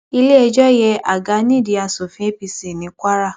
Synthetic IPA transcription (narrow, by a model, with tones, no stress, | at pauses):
i˧le˦ɛ˧d͡ʒɔ˦jɛ˧ʔa˨ɡa˨˧˦nĩ˦˨di˨˧˦a˧so˨fĩ˨˦e˦pi˧si˨nĩ˨˦kʷa˦ɾa˦˨